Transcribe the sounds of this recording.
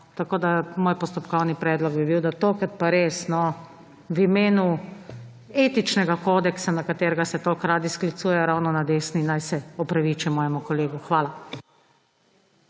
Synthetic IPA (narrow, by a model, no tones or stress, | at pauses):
t̪akoːd̪amoːjpɔst̪ɔpkɔwnipɾɛːd̪lɔɡbibiwd̪at̪oːkɾat̪̚paɾeːsnɔ | wimeːnu | eːt̪it͡ʃnɛɡakoːd̪ɛksanakat̪eːɾɛɡasɛt̪oːkɾaːd̪isklit̪suːjɛjɔɾawnɔnad̪eːsninːajsɛɔpɾaʋiːt͡ʃimɔːjɛmukɔleːɡuxʋaːla